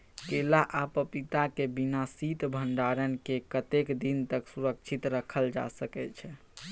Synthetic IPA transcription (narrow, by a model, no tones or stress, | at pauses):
kelaʔapəpit̪akebinasit̪bʱəɳɖaɾənkekət̪ekd̪int̪əksuɾəkt͡ʃʰit̪ɾəkʰəld͡ʒa̰səkɛt͡ʃʰɛ